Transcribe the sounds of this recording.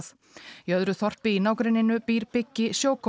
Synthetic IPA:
θ | jœðɾʏθɔr̥t̪ɪinaːwkɾɪnːɪnʏpiːɾpɪcːɪsjoːwkʰɔ

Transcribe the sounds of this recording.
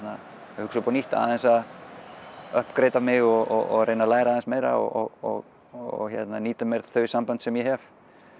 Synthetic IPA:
na | hʏksʏpɔniht̪a̰ːðɛnsað | œhpkɾejt̪amɪɣɔɣɔɣɔ̰ɣɾreːjnalaːjɾaːðɛnsmeːjɾa̰ɔ̰ɔɣɔ̰ɣ | ɔ̰ɣçɛ̰t̪naniːt̪ʏmejɾθœːɥsampant̪sɛmjɛɦɛv̥

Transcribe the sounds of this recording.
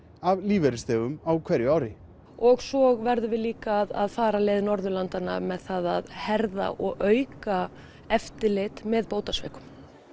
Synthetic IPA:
avliːvɛɾɪst̪œːɣʏmawkʰvɛɾjʏaːwɾɪ | ɔɣsɔɣvɛɾðʏvɪðliːkaːða̰ðfaːɾaleːðɪnɔɾðʏlant̪ana̰mɛðθaða̰ðhɛɾða̰ʔɔɣʔœːɥka | ɛft̪ɪlɪt̪mɛðpoːwt̪asvɛ̰ːkʏ̥m

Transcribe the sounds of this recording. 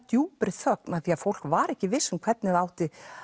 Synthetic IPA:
t̪juːpɾɪθœk̚naðθiaðfowl̥kvaɾɛhcɪvɪsːʏmkʰvɛt̪nɪðaːwt̪ɪ

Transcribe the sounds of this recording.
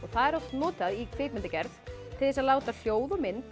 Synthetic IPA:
ɔɣθaðɛɾawsnɔːt̪aðikʰvɪːpmɪnt̪ɪcɛɾθt̪ʰɪlðɛsaðlaːwt̪al̥joːwðɔmɪnt̪

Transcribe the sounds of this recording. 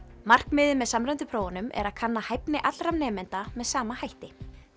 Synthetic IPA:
mar̥kmɪːðɪmːɛðsamɾœjnt̪ʏpʰɾoːwanʏmʔɛ̰ɾaðkʰanːahajpnɪʔat̪lɾamnɛːmɛnt̪amɛðsaːmahajht̪ɪ

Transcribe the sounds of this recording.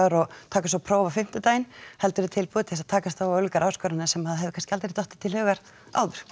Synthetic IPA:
ɾɔt̪ʰaːkasapʰɾoːwvafɪm̥t̪ʏt̪aːjɪnhɛlt̪ʏɾɪt̪ʰɪlpuːðt̪ɪɪsaðt̪ʰaːkast̪avaœlkaɾʔaːwskœɾanɪsɛmhaðɦɛvɪkʰanscɪalt̪ɾt̪ɔht̪ɪ̥t̪ʰːɪlhʏːɣaɾ | a̰ːwðʏɾ̥

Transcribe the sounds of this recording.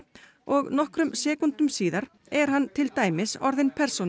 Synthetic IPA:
ɔɣnɔhkɾʏmsɛːkunt̪ʏmsiːðaɾ̥ | ɛɾ̥hant̪ʰɪlt̪aːjmɪsɔ̰ɾðɪnpʰɛr̥son

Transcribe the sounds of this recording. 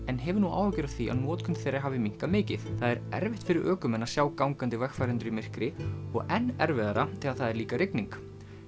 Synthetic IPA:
ɛnɦɛvʏnua̰ːwhacɛɾaθia̰ðnɔːt̪kʰʏnt̪θejɾaɦaːvɪmiŋ̥kamɪːcɪθθaðɛɾɛ̰ɾvɪht̪fɪɾɪɾʔœːkʏmɛnːḁsjaːwkawŋkant̪ɪvɛxfajɾɛnt̪ɾʏɾimɪr̥kɾɪɔɣɛnːɛɾvɪðaɾat̪ʰɪðaðθaðɛɾliːkaɾɪkniŋk

